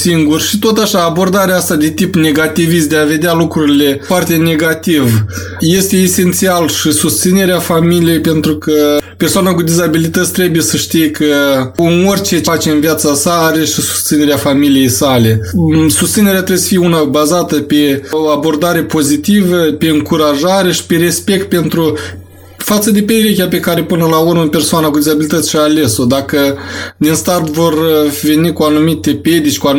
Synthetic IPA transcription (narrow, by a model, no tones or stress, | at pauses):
siŋɡurʃit̪ot̪aʃaːbo̞rd̪aɾeaast̪ad̪e̞t̪ipne̞ɡat̪ivis̬t̪d̪eave̞d̪ʲealukɾuɾile̞foart̪e̞ne̞ɡat̪iv | je̞st̪e̞ːse̞nt̪sialʃisust̪sine̞ɾeafamilije̞jpe̞nt̪ɾukəpe̞rsoanakud̪izabilit̪ət̪sʲt̪ɾebujesəʃt̪ijekəɨnorʲt͡ʃe̞at͡ʃe̞ɨnvijat̪sasaaɾe̞ʃisu̥st̪sine̞ɾeafamilije̞jsale̞sust̪sine̞ɾeat̪ɾebesə̥fijunabazat̪əpe̞oabo̞rd̪aɾe̞po̞zit̪ivəpe̞ɨŋkuɾaʒaɾe̞ʃi̥pe̞ɾe̞spe̞k̚t̪̚pe̞nt̪ɾu | fat̪səd̪e̞peɾekʲape̞kaɾe̞pɨnəlaurməpe̞rsoanakud̪ʲizabilit̪ət̪sʲʃaːle̞so̞d̪akəd̪inst̪ard̪vo̞rve̞nikuanumit̪e̞ped̪it͡ʃʲkua